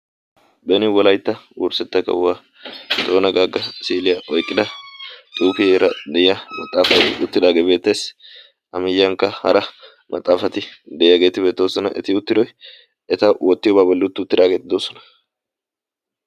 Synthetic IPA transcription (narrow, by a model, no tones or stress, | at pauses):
bɛnɪwɔlɐjt̪ːɐwuːɾsɛt̪ːɐkɐ̰wwaː | t̪ʼoːnɐɡaːɡɐsiːlɪjɐʔɔjkʼːɪd̪ɐt̪ʼuːkɪɾɐd̪ɛjɐmɐt̪ʼːaːfɐt̪ɪʊt̪ːɪd̪aːɡebe̞ːt̪ːeːs | ɐmɪjːɐŋkːɐhɐ̰ɾɐ | mʔɐ̰t̪ʼːaːfɐt̪ɪd̪ɛjaɡe̞ːt̪ɪbe̞ːt̪ːoːsɔnɐʔɛ̰t̪ɪʊt̪ːɪd̪ɔj | ɛt̪ɐwɔt̪ːɪjɔbaːbɔlːɪʊt̪ːɪʊt̪ːɪd̪aːɡe̞ːt̪ɪd̪oːsɔnɐ̥